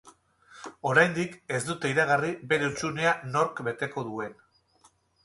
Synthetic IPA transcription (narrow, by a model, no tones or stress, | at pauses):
o̞ɾajnd̪ike̞zd̪ut̪e̞iɾaɣ̞aribe̞ɾeut͡ʃune̞ano̞ɾkbe̞t̪e̞ko̞ðue̞n